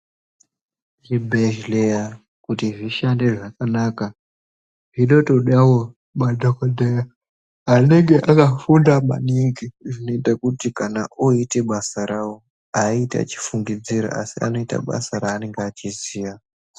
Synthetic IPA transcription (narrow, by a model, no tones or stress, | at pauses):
ʒibʱeʒleja | kutiʐiʃande̞ʐakanaka | ʐiɗotoɗawo | madʱokodʱeja | ane̞ŋɡeʔakafundama̰niŋɡiʐino̞itakutikanaʔoite̞ɓasaɾawo | aita̰t͡ʃi̥fuŋɡid͡ziɾa̰ʔa̰sia̰no̞ita̰ɓa̰saɾaːneŋɡeat͡ʃiziːja